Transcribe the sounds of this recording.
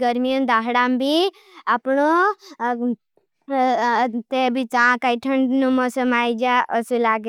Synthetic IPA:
ɡəɾmiənd̪aɦɽambʱi | apɳo | t̪ebʱit͡sãkaiʈʰəɳɖnumɔsəmajd͡ʒaʔəsulaɡe

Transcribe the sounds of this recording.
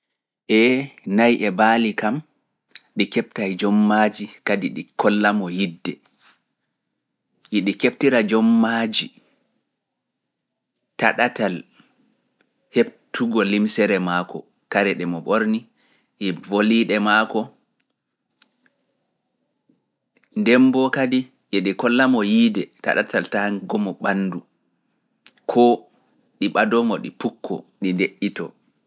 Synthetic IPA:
ʔɛnajʔɛbaːlikam | ɗikɛp̚tajd͡ʒɔmːad͡ʒikadiɗikʰɔlːamɔjidːɛ | ʔiɗikep̚tiɾad͡ʒɔmːad͡ʒi | taɗatal | heb̚tʰuɡɔlimsɛɾɛmaːkɔ̰ | kaɾɛɗɛmɔɓoɾni | ʔɛvoliɗɛmakɔ | ndɛmbɔkadi | ʔɛɗɛkɔlːamɔjiːdɛta̰ɗa̰tʰaltaɡɔmɔɓanːdu | kʰɔ | ɗiɓadɔmɔɗḭpukʰːɔ̰ɗindeʔːitɔ̰

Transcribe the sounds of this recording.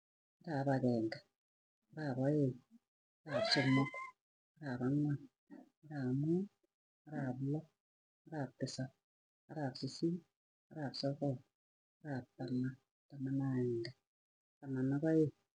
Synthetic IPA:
aɾaβaɣeːŋɡa | ɾaβoje | aɾaβsomoku̥ | aɾaβaŋwa | aɾame | aɾaβula | aɾapːisa | aɾaβsisi | aɾaβsoko | aɾatama | tamanaeŋɡa | tamanaβaje

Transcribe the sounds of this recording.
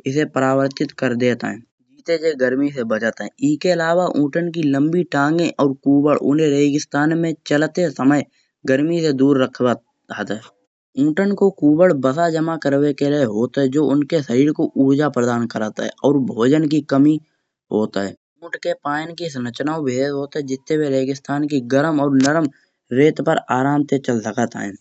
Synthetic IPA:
ɪs̬epɾaːwəɾt̪ɪt̪kəɾd̪eːt̪a̰ɦɛ̃ | d͡ʒiːt̪ed͡ʒeɡəɾmisebət͡ʃat̪aɦɛ̃ɪskeəlaːʋaʔũːʈənk̬ilə̃mbiʈãːŋɡẽʔɔːɾkuːbəɭʊ̰nẽɾeːɡɪst̪aːnmẽt͡ʃəlt̪esəməj | ɡəɾmised̪uːɾːəkʰa | aːt̪aɦɛ | ũːʈənkokuːbəɭbəsad͡ʒəmakəɾwekeleɦoːt̪aɦɛd͡ʒoːʊnkesəɾiːɾkoʔuːɾd͡ʒapɾəd̪aːnkəɾaːt̪a̰ɦɛ̰ɔːɾbʱoːd͡ʒənk̬ikəmi | ɦoːt̪aɦɛ̰ː | ũːʈkepaːnkisnət͡ʃnaːobʱeːd̪ɦoːt̪aɦɛd͡ʒɪt̪ːebʱeɾeːɡɪst̪aːnk̬iɡəɾəmɔːɾnəɾəm | ɾeːt̪pəɾaːɾãːnt̪et͡ʃəlsəkat̪a̰ɦɛ̰̃ː

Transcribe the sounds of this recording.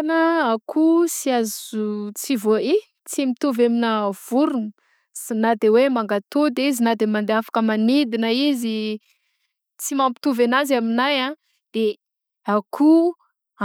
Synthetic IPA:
nəakʰusiazut͡sivoe | t͡simit̪uveminav̥uɾun | sinad̪ewemaŋɡat̪od̪eizinad̪emand̪eafḁkəmanid̪inəizi | t͡simampi̥t̪uvenazaminajã | d̪̥e | akʰu

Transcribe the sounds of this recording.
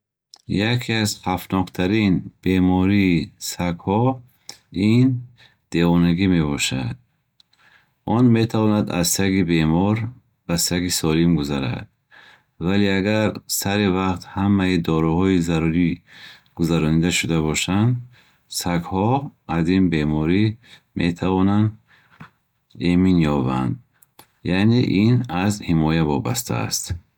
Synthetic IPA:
jakʰiazχʰafnɔqt̪ʰaɾinb̥e̞mɔɾiːsaɡhɔ | in | d̪̥e̞vɔnaɡime̞βɔʃa̰d̪̥̚ | ʔɔnme̞t̪ʰavɔnad̪a̰zsaɡibe̞mɔɾ | basaɡisɔlimɡuzaɾa̰d̪̥̚ | valeaɡaɾsaɾivaqt̪hamːaid̪ɔɾuhɔizaɾuɾiɡ̥uzaɾɔnid̪aʃud̪aβɔʃand̪ | saɡhɔazinbe̞mɔɾimʔet̪ʰavɔnand̪ | eminjɔba̰nd̪ | janeʔinazhimɔjavɔ̰ba̰st̪ʰa̰a̰st̪

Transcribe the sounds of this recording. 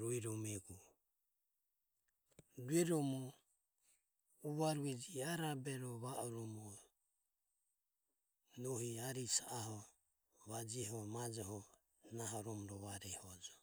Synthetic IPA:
ɾuiɾɔmɛɡu | duɛɾɔmɔ | uβaɾuɛd͡ʒiaɾabɛɾɔβaʔɔɾɔmɔ | nɔɦiaɾisaaɦɔ | βad͡ʒiɦɔmad͡ʒɔɦɔ | naɦɔɾɔmɔɾɔβaɾɛhɔd͡ʒɔ

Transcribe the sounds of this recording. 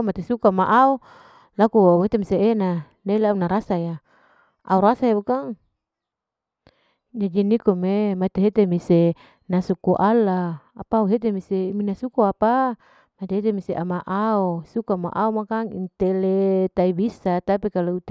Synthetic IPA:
mat̪esukamaʔau | lakuauɦet̪emiseena | nailaunaɾasaja | a̰uɾasaebukaŋ | d͡ʒad͡ʒinikomemat̪eɦet̪emise | nasukuʔalaapauɦet̪̬emiseminasukuapa | mat̪eɦet̪̬emiseʔamaʔaosukama̰ʔaumakaŋḭnt̪elet̪aibisat̪apikalout̪

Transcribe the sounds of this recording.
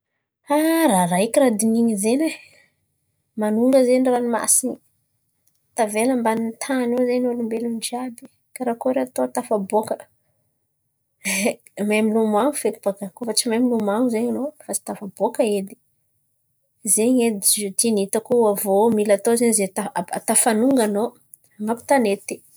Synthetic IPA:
araraikiɾad̪iniɲizeɲe | manuŋɡəzenranima̰sini | t̪aveləmbanint̪ʰanozeɲalumbelund͡ʒiabi̥ | kaɾakoɾeat̪ot̪afabokə | mamilumaŋufek̪u̥b̥aɡakofat͡ʃimamilumaŋuzeɲanofat͡si̥t̪afab̥okəed̪i̥ | zeɲed̪iut̪init̪akuavomilat̪ozeɲizet̪aa̰t̪afanuŋɡano | ŋapi̥t̪anet̪i̥

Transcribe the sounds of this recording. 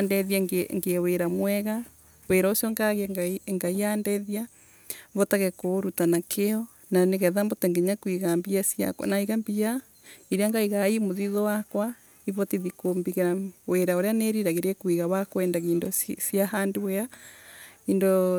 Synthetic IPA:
andɛðjaŋeŋɡeweɾamwɛɣa | weɾaosjɔŋɡaɣɡaiŋɡaijandɛðia | βɔtaɣɛkoɾutanakʰeɔ | naneɣɛðambotɛŋɡeɲakwiɣambiasja̰knaiɣambia | iɾeaŋɡaiɣaimoðiðɔwakwa | iβɔtiðikombiɣeɾaweɾaoɾeaneɾiɾaɣeɾekwiɣawakwɛːndaɣiːndosjahandewea | iːndo

